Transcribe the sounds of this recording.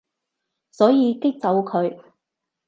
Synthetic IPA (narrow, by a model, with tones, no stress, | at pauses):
sɔː˨˥jiː˧kɪ˥k̚t͡sɐ˨˧wkʰɵ˨˧ɥ